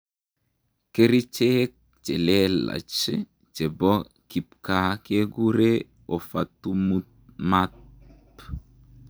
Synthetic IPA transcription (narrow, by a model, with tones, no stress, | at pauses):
ke˦ɾi˦t͡ʃek̚ | t͡ʃe˨le˦la̰˨t͡ʃi | t͡ʃe˨bɔ˦ | ki˨p̚kake˦ɡuɾe | o˨fa˨t̪umut̪̚matp